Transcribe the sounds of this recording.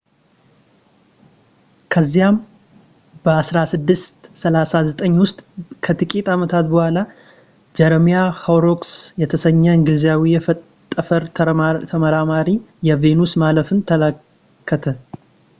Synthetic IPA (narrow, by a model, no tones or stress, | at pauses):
kʰəzːijam | bəasɾasɨd̪ːɨst̪səlasazət̪ʼəɲːwʊst̪ʼkʰət̪ɨkʼit̪ʼamət̪ʰat̪bəhʷala | d͡ʒɛɾmijahawɾoksjɛt̪ʰəsəɲːəɨŋɡɨlzjawijɛ | t̪ʼːəfəɾt̪ʰt̪ʰəməɾamaɾijɛve̞nusmaləfɨnt̪ʰələ | kʰːət̪ʰə